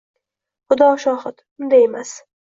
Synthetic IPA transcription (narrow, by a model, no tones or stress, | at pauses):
χʊd̪ɒʃɒːhɨt̪ | ʊnd̪ajemas